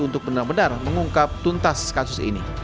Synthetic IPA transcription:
unt̪ʊk̚bənarbənarməŋuŋkap̚t̪unt̪askasʊsḭnḭ

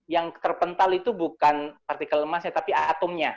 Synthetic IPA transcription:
jaŋt̪ərpənt̪alit̪ubukanpart̪ikaləmasɲat̪apiat̪ɔmɲa

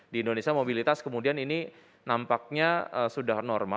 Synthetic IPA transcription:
diːndonesiamobilit̪askəmudianini | nampak̚ɲaəsudahnɔrma

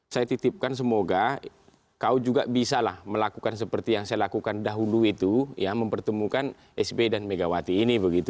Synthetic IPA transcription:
sajat̪it̪ip̚kans̬əmoɡa | kaud͡ʒuɡabisalahməlakukans̬əpərt̪ijaŋsajalakukandaɦuluit̪ujaməmpərt̪əmukan | ɛsbedanmeɡawat̪iːnibəɡit̪u

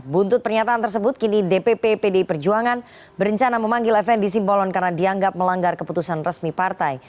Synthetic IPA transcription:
bunt̪ʊt̪̚pərɲat̪aːnt̪ərs̬əbʊt̪̚kinidepepepedepərd͡ʒuaŋan | bəɾəɲt͡ʃanaməmaŋɡɪlɛfɛndis̬imbɔlɔnkarnadiaŋɡap̚məlaŋɡarkəput̪usanrəsmipart̪aj

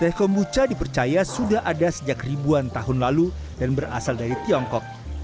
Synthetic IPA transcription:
t̪ɛhkɔmbut͡ʃadipərt͡ʃajasudaɦʔadasəd͡ʒakribuant̪aɦʊnlalu | danbəra̰saldaɾit̪iɔŋkɔk̚

